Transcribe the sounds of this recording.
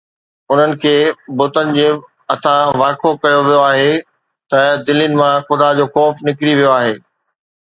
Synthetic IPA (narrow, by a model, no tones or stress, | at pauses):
ʊn̤ənɪ̆kʰeːbʊt̪ənɪ̆d͡ʑẽː | ɐt̪ʰãʋaːkʰokɐjoʋijoaːɦe | t̪ɐd̪ɪlinɪ̆mãxʊd̪ad͡ʑoːxɔːfnɪkɾiʋijoaːɦeː